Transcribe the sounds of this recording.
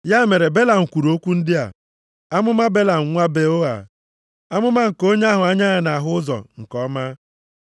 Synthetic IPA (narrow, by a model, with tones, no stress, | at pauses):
ja˦me˨ɾe˨be˦la˨ŋ̩˨kʷu˨ɾo˦kʷu˦n̩˦dɪ˦a̰˨ | a˦mʊ˦ma˦be˦la˨ŋ̩˨ŋʷa˦be˨o˦a̰˨ | a˦mʊ˦ma˦ŋ̩˨ko˦ɲe˦a˦ɦʊ˨a˦ɲa˦a˨na˨ɦʊ˦ʊ˦zɔ̰˨ŋ̩˨kɔ˦ma˦